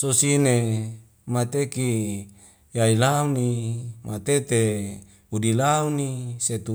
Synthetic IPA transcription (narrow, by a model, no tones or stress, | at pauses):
sosine | mat̪eki | jailaunimʔat̪et̪e | udilauniset̪u